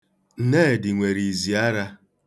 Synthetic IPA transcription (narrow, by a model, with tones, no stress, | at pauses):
n̩˦ne˦˨dɪ˨ŋʷe˨ɾi˨zi˨a˦ɾa˦